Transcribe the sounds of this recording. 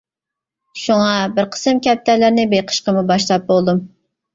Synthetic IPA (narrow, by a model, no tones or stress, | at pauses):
ʃuŋɑbɪɾqʰə̥sɨmkʲɛp̚t̪ʰælɪɾnɪbejqʰə̥ʃqəmubɑʃlˠɑp̚bolˠd̪um